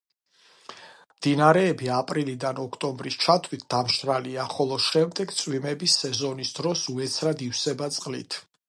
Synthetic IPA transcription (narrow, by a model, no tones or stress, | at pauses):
md̪̥inaɾɛːbiapʼɾilid̪anɔkʰt̪ʼɔmbɾist͡ʃʰat̪ʰwit̪̚ʰd̪̥amʃɾaliaχɔlˠɔʃɛmd̪ɛɡt̪sʼwimɛbisːɛzɔnisd̪ɾɔsuɛt̪sʰɾad̪ifsɛbat̪sʼqʼlḭt̪ʰ